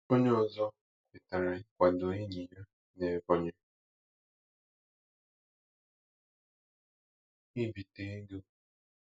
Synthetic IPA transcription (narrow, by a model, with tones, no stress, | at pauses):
o˦ɲ˦ɔ˨zɔ˦ | pɪ˨ta˨ɾa˨ɪ˦kʷa˨do˨e˦ɲi˨ja˦ | ne˨ɡɔ˦ɲe˦ | i˦bi˨te˦ɡo˦